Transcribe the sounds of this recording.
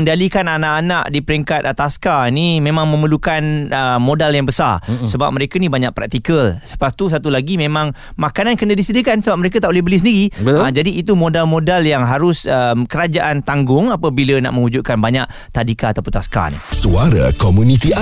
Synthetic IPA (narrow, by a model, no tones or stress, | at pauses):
əndalikananaʔanaʔdipəɾiŋkat̪̚t̪ːaskainimẽmãŋmə̃məlukanəmodaljaŋbəsarssəba̰p̚məɾekanibaɲaʔ̚pɾak̚t̪ikəlsə̥past̪us̬at̪ulaɡimẽmãŋ | makanankənadisidəkansəbap̚məɾek̬at̪aʔolihbəlisəndiɾibəad͡ʒadiːt̪umodalmodaljaŋɦaɾʊsəmkəɾad͡ʒaʔant̪aŋɡʊŋapəbiləna̰ʔmə̃ŋud͡ʒut̪̚kanbaɲaʔ | t̪adikaːt̪apʊnt̪aska̰nḭsuaɾa̰komunit̪i